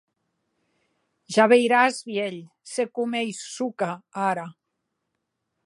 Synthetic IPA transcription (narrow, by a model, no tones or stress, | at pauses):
ʒaβejɾazβjeʎ | sekumejsːukaaɾa